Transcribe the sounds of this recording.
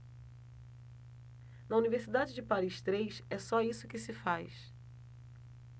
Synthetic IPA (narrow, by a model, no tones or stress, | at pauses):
nɐuniveɾsid̪ad͡ʒɪd͡ʒɪpaɾiʃt̪ɾejsɛsɔisʊkɪsɪfajs